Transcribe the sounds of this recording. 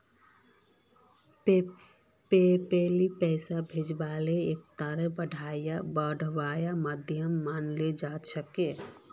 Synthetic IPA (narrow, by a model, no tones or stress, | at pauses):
pepelipɛːsabʱed͡ʒbaleekt̪əɾebəɖʱajabəɖʱʋajaməd̪ʱjəmːaːnled͡ʒat̪səke